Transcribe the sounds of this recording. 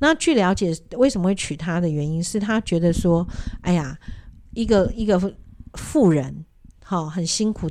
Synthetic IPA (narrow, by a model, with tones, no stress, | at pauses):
na˥˨t͡ɕʰy˥˩ljɑ˧˥ʊt͡ɕjɛ˨˩we˥˩ɪʂə˧mə˦xwe˥˩t͡ɕʰy˨˩t̪ʰa˥d̪ə˨ɥɛ˧˦ni˦nʂɻ̩˥˩t̪ʰa˥t͡ɕɥɛ˨˧˥d̪ə˨ʂwɔ˥a˥ɪa˨˩i˧˥ɡə˨i˧˥ɡə˨fu˥˩ɻə˧˦n | xɔ˥˩xə˨˩nɕi˥ŋkʰu˨˩